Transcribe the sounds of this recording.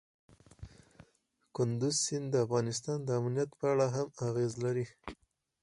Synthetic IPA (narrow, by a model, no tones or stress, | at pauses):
kʊnd̪ʊzsɪnd̪əafɣɑnɪst̪ɑnd̪əamnijat̪pəaɽaɦamaɣezlaɾi